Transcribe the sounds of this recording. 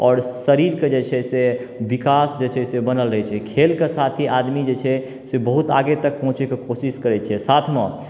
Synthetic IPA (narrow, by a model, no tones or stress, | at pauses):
ɔːɾsəɾiɾked͡ʒet͡ʃʰɛse | ʋikasd͡ʒet͡ʃʰɛsebənəlɾəɦɛt͡ʃʰɛkʰelkesat̪ʰiʔad̪mid͡ʒet͡ʃʰɛ | sebəɦut̪a̰ɡet̪ək̚pɔ̃ɦũt͡ʃekekosiskəɾɛt͡ʃʰɛsat̪ʰmẽ